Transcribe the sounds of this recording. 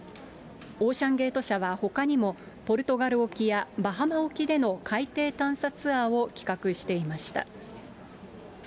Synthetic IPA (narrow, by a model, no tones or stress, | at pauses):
o̞ːɕãŋɡe̞ːt̪o̞ɕaβaho̞kaɲ̟imo̞ | po̞ɾɯ̟t̪o̞ɡaɾɯ̟o̞kʲijabaɦamao̞kʲid̪e̞no̞kʰait̪e̞ːt̪ãɰ̃sat͡sɨaːo̞kʲi̥kakɯ̟ɕi̥t̪e̞imaɕi̥t̪a̰